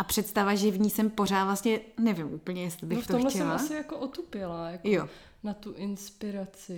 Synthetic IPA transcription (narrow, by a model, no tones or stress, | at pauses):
ʔapr̝̥ɛt̪st̪avaʒɪvɲiːsɛmpo̞r̝aːt̪vlast̪ɲɛnɛvɪmʔuːpl̩ɲɛjɛst̪lɪbɪxft̪ooxmlɛcsɛmlaassɪjakoʔot̪upɪlajakjo | nat̪uʔɪnspɪɾat͡sɪ